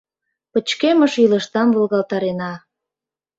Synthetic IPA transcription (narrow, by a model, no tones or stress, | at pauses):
pət͡ɕkeməʃiləʃt̪ɑmvolɣɑlt̪ɑɾenɑ